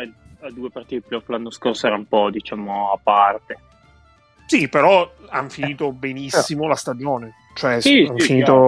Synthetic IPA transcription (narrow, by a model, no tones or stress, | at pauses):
ɛ | ad̪uːepart̪iːt̪eplɔkːlanːoskorsoɛːɾaumpɔd̪it͡ʃaːmoapːart̪e | sipeɾɔanfiniːt̪obenisːimolast̪ad͡ʒoːne | t͡ʃoɛsianfiniːt̪o